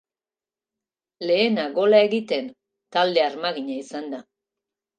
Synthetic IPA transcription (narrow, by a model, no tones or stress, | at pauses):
le̞ːnaɣo̞lae̞ɣit̪e̞n | t̪ald̪e̞aɾmaɣiɲaisand̪a